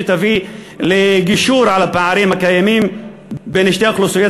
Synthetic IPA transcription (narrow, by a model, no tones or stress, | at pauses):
t̪avi | leɡiʃuːɾʕalapaʕaɾimhakajamim | beneʃt̪eoxlosijo